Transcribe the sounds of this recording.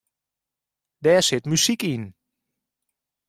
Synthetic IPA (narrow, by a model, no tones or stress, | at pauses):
dɛsɪtmysikin